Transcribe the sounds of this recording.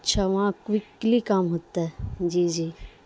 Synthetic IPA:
tːʃʰaʋɐɦãkʋiklikaːmɦot̪ːaɦɛd͡ʒiːd͡ʒiː

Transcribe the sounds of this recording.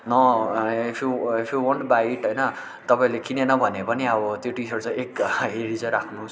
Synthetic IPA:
nʌipʰjuipʰjuwoɳʈbaiʈɦʌjnʌ | t̪ʌpaĩlekinenʌbʱʌnepʌniʌbʌt̪joʈisʌɾut͡sʌ̃j̃ekɦeɾit͡sʌ̃ɾakʰnus

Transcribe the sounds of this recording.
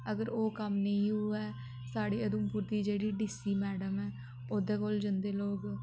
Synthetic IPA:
əɡəɾoːkəmnəĩːɦuːɛː | saːɽiːəd̪umpuːɾt̪iːd͡ʒeːɽiːɖiːsiːmɛːɖəmɛː | oːd̪eːkoːld͡ʒənd̪eːloːɡ

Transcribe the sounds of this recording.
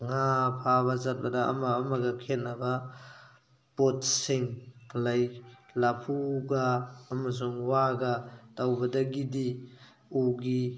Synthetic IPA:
ŋapʰaβazat̚bɐda̰ːmaːmaɡakʰet̚naba | potsiŋlajlapʰuɡaːmas̬uŋwaɡatawbɐdaɡidi | uɡi

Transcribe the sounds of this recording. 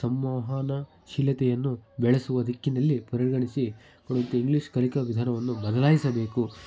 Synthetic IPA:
sɐmʋaːɦaːnɐ | ʃilɐt̪ɛjɐnːubɛɭɐsuʋɐd̪ʱikːinɐlːipɾɐɾɡɐɳisi | koɽuɐnt̪eiŋɡliʂkɐlikɐʋid̪ʱaːnɐʋɐnːubɐd̪ɐlaːjisɐbe̞ːku

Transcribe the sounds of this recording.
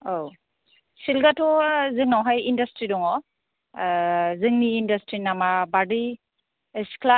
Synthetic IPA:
ow | silɡatʰɔzɯŋnawɦajindastɾidɔŋɔ | zɯŋniːndastɾinamabadi | eskla

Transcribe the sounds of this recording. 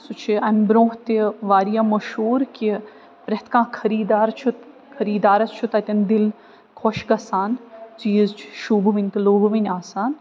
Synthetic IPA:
sut͡ʃʰiɐmʲbɾõːɦt̪iʋaːɾijaːmɐʃuːɾki | pɾɐt̪ʰkãːkʰɐɾiːd̪aːɾt͡ʃʰut̪ | kʰɐɾiːd̪aːɾɐst͡ʃʰut̪ɐt̪ʲɐnd̪il | kʰɔʃɡɐsaːnt͡ʃiːzt͡ʃʰʃuːbʋinʲt̪iloːbʋinʲaːsaːn

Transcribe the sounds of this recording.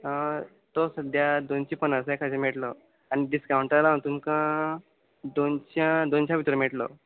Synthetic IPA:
ə | t̪osəd̪ʱjad̪ont͡ɕipənasekʰad͡ʑemeʈlɔ | añiɖiskawuɳʈəɾlaə̃t̪uːnkã | d̪ont͡ɕjad̪ont͡ɕʰjãʋit̪ɾəmeʈlɔ̰

